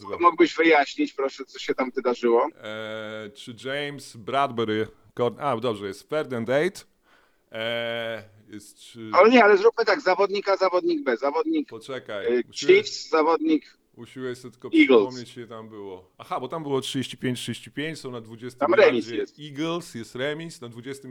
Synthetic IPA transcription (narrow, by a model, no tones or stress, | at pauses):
muɡbɘʑvɘjaɕɲit͡ɕpɾɔʂɛt̪sɔɕɛt̪amvɘd̪aʐɘwɔ | t͡ʂɨd͡ʐɛjmsbɾad̪bɛɾɘ | kɔɾnad̪ɔbʐɛjɛst̪fɛɾd̪ɛnd̪ɛjt̪ | jɛst̪ʂɨaɲɛalɛzɾupmɘt̪aɡzavɔd̪ɲikazavɔd̪ɲiɡ̚bɛzavɔd̪ɲikpɔt͡ʂɛkajut͡ʃifszavɔd̪ɲik | uɕiwɛjsɛt̪ɘ̥kɔiɡlɔmɲet͡ɕɛt̪ambɘwɔaxabɔt̪ambɨwɔtʂɨd͡ʑeɕt͡ɕi̥pʲjẽɲt͡ɕtʂɨd͡ʑeɕt͡ɕipʲjeɲt͡ɕsɔ̃nad̪vud͡ʑɛst̪t̪amɾɛmʲisjɛst̪iɡlsjɛst̪ɾɛmʲisnad̪vud͡ʑɛst̪ɪm